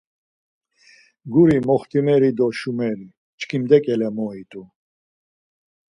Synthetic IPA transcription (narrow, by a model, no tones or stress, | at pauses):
ɡuɾimɔχt̪ʰʼimɛɾid̪ɔʃumɛɾi | t͡ʃkʰimd̪ɛkʼɛlɛmɔit̪ʼu